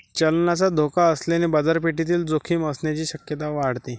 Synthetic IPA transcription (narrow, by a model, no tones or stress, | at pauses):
t͡ɕəlnat͡sad̪ʱokaəslenebad͡zaɾpeʈit̪̬iːld͡zokʰiːməsɳjat͡ɕiːɕəkjət̪aʋaɽt̪i